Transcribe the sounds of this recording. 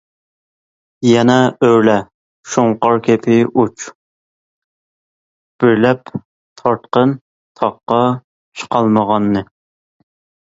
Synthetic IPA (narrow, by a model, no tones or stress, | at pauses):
jɛnɛøɾlɛ | ʃuŋqɑɾkʲʰepʰɪʔut͡ʃ | b̥ɪɾlɛp | t̪ʰɑɾt̪̚qən | t̪ʰɑqːɑ | t͡ʃʰə̥qʰɑlˠməʁɑnːɨ